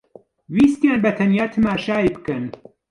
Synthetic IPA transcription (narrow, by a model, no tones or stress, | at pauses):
wiːst̪jaːnbɐt̪ʰɐnjaːt̪ʰɨmaːʃaːibɨkɨn